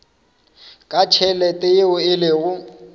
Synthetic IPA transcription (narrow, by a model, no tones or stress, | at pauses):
kʼat͡ʃʰɛlɛtʼɪɪʊɪlɪɣʊ